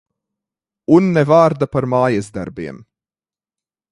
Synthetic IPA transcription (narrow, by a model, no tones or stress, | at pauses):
unːɛvaːɾd̪apaɾmaːjɛzd̪a̰ɾbiɛm